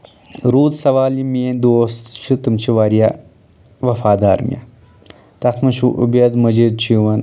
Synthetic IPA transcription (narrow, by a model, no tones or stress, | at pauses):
ɾuːt̪sɐʋaːlimijend̪oːst͡ʃʰut̪ɨmt͡ʃʰiʋaːɾija | ʋɐfaːd̪aːɾmḭjɐ̰ | t̪ɐt̪ʰmɐnʃuʔṵbjɐd̪mɐd͡ʒid̪̚t͡ʃiʋɐn